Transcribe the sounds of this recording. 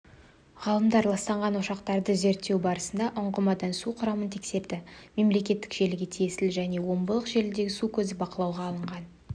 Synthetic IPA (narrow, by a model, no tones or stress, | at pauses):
ʁɑlˠəmd̪ɑɾlˠɑst̪ɑɴʁɑnwoʃɑqt̪ɑɾd̪əze̞ɾt̪ːe̞wbɑɾəsənd̪ɑʔʊɴʁəmɑd̪ɑnsuqʰʊɾɑmənt̪ʰe̞kse̞ɾd̪ɪme̞mle̞kʲe̞t̪ːɪ̥kʒe̞lɪɡʲe̞t̪ʰijesɪlʒæne̞wo̞mbəlˠəqʒe̞lɪd̪e̞ɡʲɪsukʲʰɵzɪbɑqəlˠɑwʁɑːlˠəɴʁɑn